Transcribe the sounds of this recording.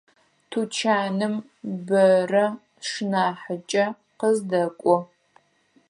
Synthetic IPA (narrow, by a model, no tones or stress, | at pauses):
tʰut͡ʃʰaːnɨm | bɐrɐ | ʂnaːħət͡ʃʼɐ | qəzdɐkʷʼɔ